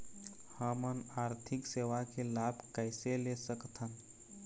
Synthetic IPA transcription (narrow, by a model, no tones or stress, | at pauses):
həmənaːɾt̪ʰɪkseːʋakelabʱkəɪselesəkt̪ʰən